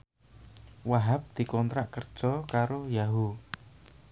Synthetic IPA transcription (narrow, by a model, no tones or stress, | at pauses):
waɦap̚d̪̥i̤kɔnt̪ɾaʔkərd̥ʒ̥ɔkaɾojaɦu